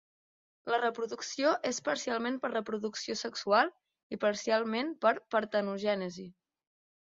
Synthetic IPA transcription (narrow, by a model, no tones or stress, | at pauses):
lərəpɾuðuksioʔespəɾsialˠmenpəɾrəpɾuðuksiosəksualˠ | ipəɾsialˠmenpəɾpəɾt̪ənuʒɛnəzi